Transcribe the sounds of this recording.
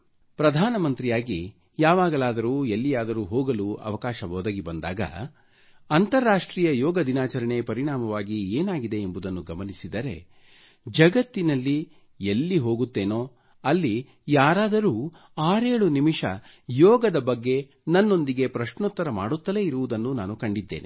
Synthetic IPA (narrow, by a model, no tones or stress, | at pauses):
pɾɐd̪ʱaːnɐmɐnt̪ɾijaːɡi | jaːʋaːɡɐlaːd̪ɐɾuːelːijaːd̪ɐɾuːɦoːɡɐluɐ̰ʋɐkaːʃɐʋoːd̪ɐɡibɐnd̪a̰ːɡɐ̰ | ɐnt̪ɐɾːaːʂʈɾiːjɐjɔːɡɐd̪inaːt͡ʃɐɾɐɳepɐɾiɽaːmɐʋaːɡieːnaːɡid̪e̞ːmbud̪ɐnːuɡɐmɐnisid̪ɐɾe̞̰ | d͡ʒɐɡɐt̪ːinɐlːi | elːiɦo̞ːɡut̪ːe̞ːno̞ː | ɐlːi | jaːɾaːd̪ɐɾuː | aːɾe̞ːɭunimiʂɐ̰ | jɔːɡɐd̪ɐbɐɡːe̞ | nɐnːo̞nd̪iɡe̞pɾɐʂɳut̪ːɐɾɐmaːɽut̪ːɐle̞iɾuʋud̪ɐnːunaːnukɐɳɖid̪ːe̞̰ːni